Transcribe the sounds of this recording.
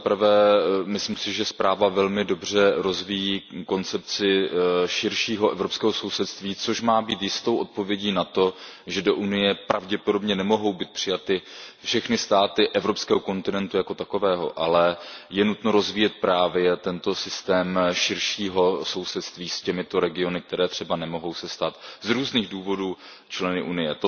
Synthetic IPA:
t̪apɾ̩vɛːmɪslimsɪʒɛspɾaːvavɛlmɪdo̞br̝ɛɾo̞zvijiːko̞nt͡sɛp̚t͡sɪʃɪɾʃiːɦoʔɛvɾopskɛːɦo̞so̞wsɛt̪st̪viːt͡so̞ʃmaːbiːt̪jɪst̪o̞wʔot̪̚povjɛɟiːnat̪o̞ʒɛdo̞ʔunɪjɛpɾʔavɟɛpo̞do̞bɲɛnɛmo̞ɦo̞wbiːt̪̚pr̥ɪjat̪ɪfʃɛxnɪst̪aːt̪ɪʔɛvɾo̞pskɛːɦoko̞nt̪ɪnɛnt̪ujako̞t̪ako̞vɛːɦo̰ʔalɛjɛnut̪no̞ɾo̞zviːjɛt̪̚pɾaːvjɛt̪ɛnt̪o̞sɪst̪ɛːmʃɪɾʃiːɦo̞so̞wsɛt̪st̪viːscɛmɪt̪o̞ɾɛɡɪo̞nɪk̚t̪ɛɾɛːt̪r̝̥ɛbanɛmo̞ɦo̞wsɛst̪aːt̪zɾuːzniːɣduːvo̞duː | t͡ʃlɛnɪʔunɪjɛt̪o

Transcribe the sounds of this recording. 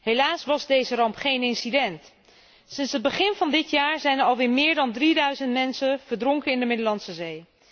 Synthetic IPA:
ɦejlaːsʋɑzdejzərɑmpχejnɪnsidɛnt | sɪnsɦəd̚bəχɪnvɑndɪtjaːɹzɛjnəɑlˠʋɪːɹmɪːɹdɑndridœɥzəntmɛnsənv̥əɹdrɔŋkənɪndəmɪdəlɑnsəzej

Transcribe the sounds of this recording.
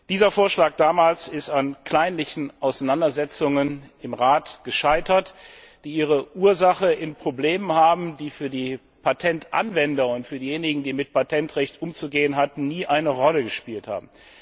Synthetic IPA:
d̥iːzɐfoːɐʃlaːk̚d̥aːmaːlsɪstankʰl̥aɪnlɪçn̩ʔaʊsaɪnandɐzɛt͡sʊŋənɪmʁaːtɡ̥əʃaɪtɐt | d̥iːiːʁ̞əʔuːɐzaχəʔɪnpʁ̥obleːmənhaːbm̩diːfyːɐdiː | pʰatʰɛntʔa̰nvɛndɐʊntfyːɐdiːjeːnɪɡŋ̩diːmɪt̚pʰatʰɛntʁɛçtʔʊmt͡suɡeːənɦatn̩niːʔaɪnəʁɔləɡəʃpiːltha̰ːbm̩

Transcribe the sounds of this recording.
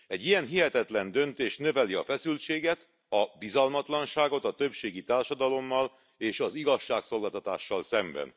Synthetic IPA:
ɛɟːijɛnɦiɦɛt̪ɛt̪lɛnd̪ø̞nt̪eːʃnø̞vɛliɒ̰fɛsylt͡ʃeːɡɛt̪ | ɒbizɒlmɒt̪lɒnʃaːɡo̞t̪ɒt̪ø̞pʃeːɡit̪aːrʃɒd̪ɒlo̞mːɒl | eːʃɒziɡɒʃːaːkso̞lɡaːlt̪ɒt̪a̰ːʃːɒlsɛmbɛ̰n

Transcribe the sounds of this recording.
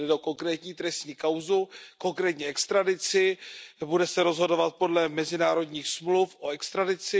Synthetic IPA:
ɪdoko̞ŋkɾɛːt̪ɲiːt̪ɾɛst̪ɲiːkawzuko̞ŋkɾɛːt̪ɲɛɛkst̪ɾadɪt͡sɪbudɛsɛɾo̞zɦo̞do̞vat̪̚po̞dlɛmɛzɪnaːɾo̞dɲiːxsmlufʔoɛkst̪ɾadɪt͡sɪ

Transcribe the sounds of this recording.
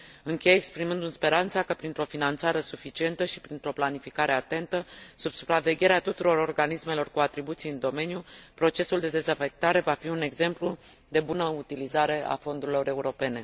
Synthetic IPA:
ɨŋkʲe̞jekspɾimɨnd̪ɨnspe̞ɾant̪sakəpɾint̪ɾo̞finant̪saɾe̞sufit͡ʃie̞nt̪əʃi̥pɾint̪ɾo̞planifikaɾe̞at̪e̞nt̪əsub̥su̥pɾave̞ɡʲe̞ɾeat̪ut̪uɾo̞ɾo̞rɡanisme̞lo̞rkuat̪ɾibut̪sijɨnd̪o̞me̞njupɾo̞t͡ʃe̞suld̪e̞d̪e̞zafe̞k̚t̪aɾe̞vafiune̞ɡze̞mplu | d̪e̞bunəut̪ilizaɾe̞a̰fo̞nd̪uɾilo̞ɾe̞uɾo̞pe̞ne̞

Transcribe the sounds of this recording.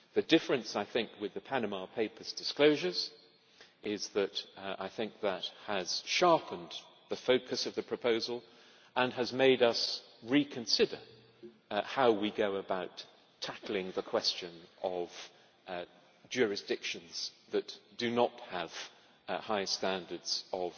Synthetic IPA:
ðɨdɪfɹɨ̃nsaɪθɪ̃ŋkʰwɨðɨpʰænɨmɑpʰeɪpʰə˞zdɨskloʊʒə˞z̥ | ɪzðɨɾa̰ɪθɪ̃ŋk̚ðət̚həz̥ʃɑɹpə̃n̩ | ðɨfoʊkʰɨsʌvðɨpʰɹ̥ɨpʰoʊzlˠ | ə̃nɨzmeɪɾʌs | ɹikʰɨ̃nsɪdə˞ | haʊwiɡoʊəbaʊtʰ | æklˠɪ̃ŋðəkʰw̥ɛst͡ʃɨ̃nʌv̥ | d͡ʒʊɹɨsd̥ɪkʃɨ̃nz̥ðɨtd̥ɨnət̚həv̥ | haɪstæ̃ndə˞dz̥ʌv̥

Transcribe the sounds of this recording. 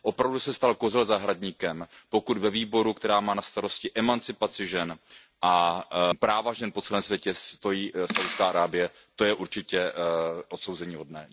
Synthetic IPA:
ʔo̞pɾavdusɛst̪alkozɛlzaɦɾadɲiːkɛmpo̞kud̪vɛviːbo̞ɾukt̪ɛɾaːmaːnast̪aɾo̞scɪʔɛmant͡sɪpat͡sɪʒɛn | ʔapɾaːvaʒɛnpot͡sɛlɛːmsvjɛcɛst̪o̞jiːsawdskaːʔaɾaːbɪjɛ | t̪o̞jɛʔuɾt͡ʃɪcɛʔo̞t̪sowzɛɲiːɦo̞dnɛ̰ː

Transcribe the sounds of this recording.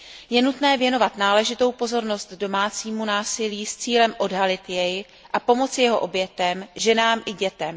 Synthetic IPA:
jɛnut̪nɛːvjɛno̞vat̪naːlɛʒɪt̪o̞wpo̞zo̞ɾno̞st̪do̞maːt͡siːmunaːsɪliːst͡siːlɛmʔo̞dɦalɪt̪jɛj | ʔapo̞mo̞t͡sɪjɛɦo̞ʔo̞bjɛt̪ɛmʒɛnaːmʔɪɟɛt̪ɛm

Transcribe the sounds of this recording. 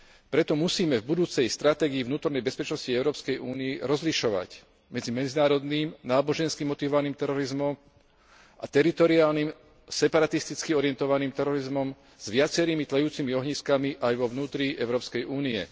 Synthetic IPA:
pɾɛt̪ɔmusiːmɛvbud̪uːt͡sɛjst̪ɾat̪ɛːɡiivnuːt̪ɔɾnɛjbɛspɛt͡ʃnɔsciɛʊɾɔːpskɛjuːniɛɾɔzliʃɔʋa̰c | mɛd͡zimɛd͡zinaːɾɔd̪niːmnaːbɔʒɛnskimɔt̪iʋɔʋaniːmt̪ɛɾɔɾizmɔm | ʔat̪ɛɾit̪ɔɾiaːlnim | sɛpaɾat̪ist̪it͡skiɔɾɪɛnt̪ɔʋaniːmt̪ɛɾɔɾizmɔm | z̥ʋɪat͡sɛɾiːmit̪lɛjuːt͡simiɔɦɲiskamiʔajʋɔʋnuːt̪ɾiɛʊɾɔːpskɛjʔuːniɛ̰

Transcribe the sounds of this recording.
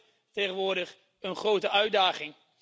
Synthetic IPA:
tejχənʋʊːɹdəχ | ənχrowtəœɥdaːχɪŋ

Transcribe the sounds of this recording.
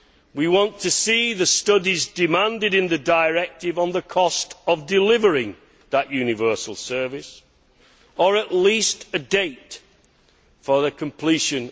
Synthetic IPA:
wiwɑ̃ntʰɨsiðəstʌdizdɪmãndɪɾɨ̃nðɨdəɪɹɛk̚tɪvə̃nðəkʰɔstəvdɪlɪvə˞ɪ̃ŋ | ðəʔjʉnɪvɜˑ˞səl̩ˠsɜ˞vɪs | ə˞əʔliˑstɨdeɪt | fə˞ðɨkʰə̃mpʰl̥iʃɨ̃n

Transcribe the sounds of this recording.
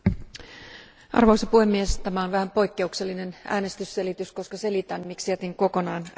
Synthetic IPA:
ʔɑ̰rʋoisepuhe̞mːiest̪æmæonʋæhæmpo̞jkːe̞ukse̞lːinenʔæ̰ːne̞st̪ysːe̞lit̪ysko̞skɑse̞lit̪ænmiksiæt̪iŋko̞ko̞nɑːn

